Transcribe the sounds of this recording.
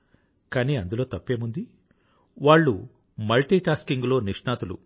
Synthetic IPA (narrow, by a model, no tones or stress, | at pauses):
kaːniːɐnd̪ulo̞ːt̪ɐpːeːmund̪i | ʋaːɭːu | mɐlʈiːʈaːskiŋɡulo̞ːniʂɳaːt̪ulṵ